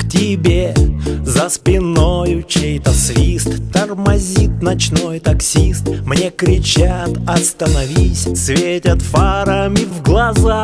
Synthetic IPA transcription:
ktʲɪbʲezəspʲɪnojʊt͡ɕejt̪əsvʲist̪ːərmɐzʲit̪̚nɐt͡ɕnojt̪ɐksʲist̪mnʲekɾʲɪt͡ɕat̪ɐst̪ənɐvʲisʲsvʲetʲət̪faɾəmʲɪvɡlˠɐza

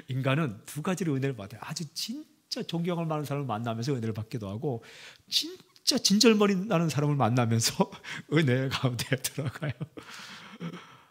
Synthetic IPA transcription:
inɡanɯntuɡad͡ʑiɾeɯne̞ɾɯɭpoatʰead͡ʑɯt͡ɕin | t͡ɕ͈at͡ɕʌŋɡjʌŋɯɭmanɯnsʰaɾamɯɭmanːamjʌnsʰʌɯneɾɯɭpak͈edoɦaɡot͡ɕint͡ɕ͈at͡ɕind͡ʑʌɭmʌɾianɯnsʰaɾamɯɭmanːamjʌnsʰʌɯne̞kaundedɯɾaɡajo

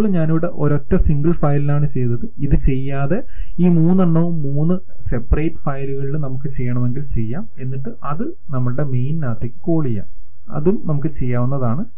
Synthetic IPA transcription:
oːɭːɲaːnuʋiɽeʔo̞ɾo̞tːɐsiŋɡɐɭfɐjlinaːɳɨt͡ɕe̞jt̪ːɐðɨiðɨt͡ɕe̞jːaːðe̞ | iːmuːnːɐɳːɐʋumːuːnːɨ | se̞pːɐrejtːfɐjluɣɐɭilnɐmukːɨt͡ɕe̞jːɐɳɐme̞ŋɡilt͡ɕe̞jːaːme̞nːiʈːɨɐðɨ | nɐmːɐɭɨɽe̞mejnːaːt̪ːekʲːɨ̥ko̞ːɭijːa̰ | ɐ̰ðumnɐmuk̬ːɨt͡ɕe̞jːaːʋunːɐðaːɳɨ

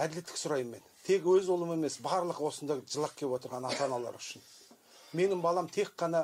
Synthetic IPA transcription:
æd̪ɪle̞t̪ːɪ̥kʲsʊɾɑjəmːe̞nt̪ʰe̞kwɵzolˠəme̞me̞sbɑɾlˠəqwo̞sənd̪ɑjʒəlˠɑq̚kʲʰepwo̞t̪̬əɾʁɑnɑt̪ɑnɑlˠɑ̰ɾʏʃɪn | me̞nɪmbɑlˠɑmt̪ʰe̞k̚qːɑnɑ

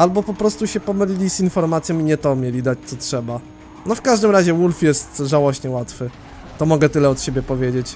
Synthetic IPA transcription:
albɔpɔpɾɔst̪uɕɛpɔmɘlʲilʲizinfɔɾmat̪sʲjɔ̃miɲɛt̪ɔmʲjelʲid̪at͡ɕt̪sɔtʂɛba | nɔfkaʐd̪ɘmɾaʑɛwulfjɛst̪ʐawɔɕɲɛwat̪fɘ | t̪ɔmɔɡɛt̪ɘlɛɔt̪ɕebʲjɛpɔvʲjed͡ʑet͡ɕ

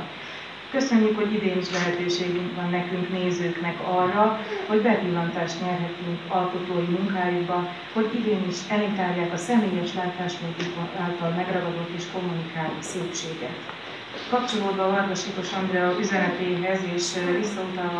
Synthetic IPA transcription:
kø̞sø̞ɲːykho̞ɟid̪eːniʃlɛɦɛt̪øːʃeːɡyŋkʋɒnːɛkyŋkneːzøːknɛkɒrːɒho̞ɟbɛpilːɒnt̪aːʃt̪ɲɛrɦɛt̪yŋkɒlko̞t̪oːjimuŋkaːjuɡbɒn | ho̞ɟid̪eːniʃɛmit̪aːjjaːkɒsɛmeːjɛʃlaːt̪aːʃmunt̪ikoaːlt̪ɒlmɛɡrɒɡɒd̪ot̪ːeːʃko̞mːunikaːloseːpʃeːɡɛ̰t̪ | kɒpt͡ʃo̞loːd̪bɒɒrd̪oʃiːt̪o̞ʃɒnd̪rɛoʔyzɛnɛt̪eːɦɛzeːʃvisːɒut̪ɒl

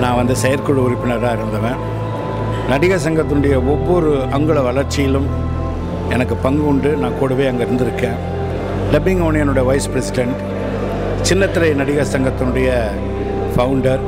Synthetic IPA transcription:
nãːʋɐnd̪ɯsɛjɐɾkɔɭɯʊɾɪpːɪnɐɾaːɪɾɯnd̪ɐʋẽː | nɐɽɪɣas̬ɐŋɡɐt̪ːɯnʊɽɐjɐɔʋːɔɾɯɐŋɡɯɭɐʋɐɭɐɾt͡ʃːɪjɪlɯm | ɛnɐkːɯpɐŋɡɯʊɳɖɯnãːkuːɽɐʋeːɐŋɡɐɪɾɯnd̪ɪɾɯkːẽː | lɛbɪŋɡɐːɳɪjɐnɯɽɐjɐʋɐɪspɪɾɛsɪɖɛɳʈ | t͡ʃɪnːɐt̪ːɪlɐɪnɐɽɪɣasɐŋɡɐt̪ːɯnɯɽɐjɐ | fɐwʊɳɖɐɾ

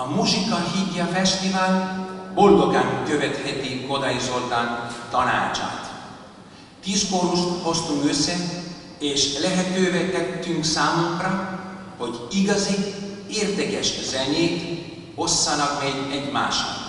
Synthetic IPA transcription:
ɒmuʃikɒɦiɟ̪ːɒfɛʃt̪ivaːlbo̞ld̪o̞ɡaːŋkøvɛt̪hɛt̪iko̞d̪ɒjiso̞lt̪aːnt̪ɒna̰ːt͡ʃa̰ːt̪ | t̪iʃkoɾuho̞st̪uŋkøsːɛ | eːʃlɛɦɛt̪øːvɛt̪ɛt̪ːyŋksaːmuŋkrɒho̞ɟiɡɒzi | eːrd̪ɛkɛʃz̥ɛɲeːt̪ | o̞sːɒnɒkmɛɟɛɟma̰ːʃɒ̰n

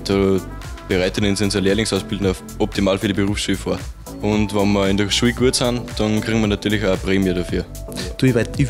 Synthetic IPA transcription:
d̥o | b̥eʁaɪtənɪnsʊnzɐleːɐlɪŋsaʊsb̥ɪldn̩a | ʔɔp̚timaːlfyːɐdibeʁuːfsʃuːfoːɐ | ʊntvɔnmɐɪndəʃuːlɡ̥uːɐtsand̥ɑnkʁ̥iːɡŋ̩mɐnatʰyːɐlɪçaəpʁeːmjəɾafyːɐ | d̥uva

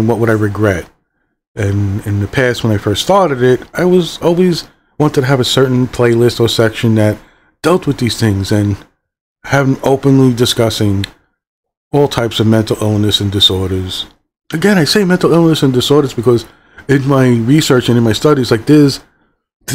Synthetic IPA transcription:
nwʌt̚wəɾaɪɹɨɡɹɛt̚ | ɨ̃nɪ̃nðɨpʰæst̚wə̃ñaɪfɜ˞stθɑɹɾɨɾɪt̚aɪwʌzɔlˠwiz | wɑ̃ntɨːvɨsɜ˞ʔn̩pʰl̥eɪlɪstə˞sɛkʃɨ̃nðɨt̚ | d̥ɛlˠt̚wɨðiz̥θɪ̃ŋzɨ̃n | hæṽŋoʊpɨ̃nlidɨskʌsɪ̃ŋ | ɔlˠtʰaɪpsʌvmɛ̃ntˡl̩ˠɪlˠnɨsɨ̃n̩dɨsɔɹɾə˞z̥ | ɨɡɛ̃ɾ̃aɪseɪmɛ̃ntˡl̩ˠɪlˠnɨsɨ̃ndɨsɔɹɾə˞zbɨkʰʌz | ɨ̃nmaɪɹisɜ˞t͡ʃɨ̃nɨ̃nmaɪstʌɾizlaɪk̚ðɪz

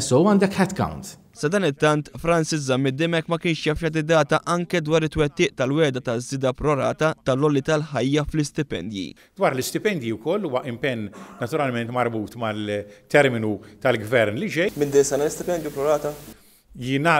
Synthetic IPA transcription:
sɔwɐːnd̪ɛkħɛt̪kɐ̰wnt̪ | sɐd̪ɐːnɪt̪ːɐnt̪fɾɐnsɪzɐmːɪd̪ɪmɛkːmɐkɪːnʃjɐfjɐd̪ɪd̪ɐːt̪ɐʔɐŋkɛd̪wɐːɾɪt̪ːwɛt̪ːɪːʔt̪ɐlwɛːd̪ɐt̪ɐzːɪːd̪ɐpɾɔɾɐːt̪ɐt̪ɐlɔlːit̪ɐlħɐjːɐflɪst̪ɪpɛ̰nd̪jḭ | d̪wɐːɾlɪst̪ɪpɛnd̪jiwkɔlːuːwɐʔɪmpɛnːɐt̪ʊɾɐlmɛnt̪mɐɾbuːt̪mɐlt̪ːɛɾmɪnut̪ɐlɡvɛɾnlid͡ʒɛjmɪnd̪ɪsɐnɐlɪst̪ɪpɛnd̪jupɾɔɾɐːt̪ɐ | jɪːnɐ

